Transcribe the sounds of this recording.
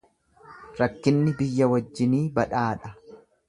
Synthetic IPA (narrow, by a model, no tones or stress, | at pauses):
ɾɐkːɪnːɪbɪjːɐwɐd͡ʒːɪniːbɐᶑaːᶑɐ